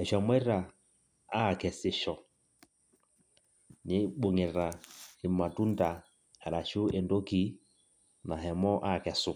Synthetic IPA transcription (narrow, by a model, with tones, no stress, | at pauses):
hɛ˨ʃa˨mwɛ˦ɾa˨ | a˦˨kɛ˨sɪ˨ʃɔ˨ | ɲe˨˦ɓo˨ŋe˨ɾa˨e˨ma˨tu˦nda˨ | hɛ˨ɾa˨ʃo˦e˨ndo˦ki˦ | na˨ɦɛ˨mɔ˦ʔa˦˨kɛ˨sʊ˨